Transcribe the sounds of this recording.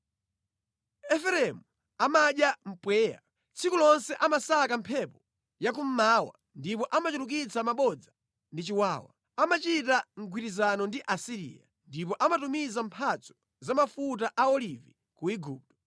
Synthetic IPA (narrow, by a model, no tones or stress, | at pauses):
ɛfɛɾɛmu | amaɗjam̩pwɛːja̰ | t͡sʰikulɔnsɛʔamasakam̩pʰɛpɔ | jak̬um̩maːwa̰ | ndipɔʔamat͡ʃuɾuk̬it͡samaɓɔd͡za | ndit͡ʃiwaːwa̰ | amat͡ʃitaŋ̩ɡwiɾizanɔndiʔasiɾḭja | ndip̬ɔʔamatumizampʰat͡sʰɔ̥ | zamafut̬aʔaɔlivi | kuiɡuːp̚tɔ̥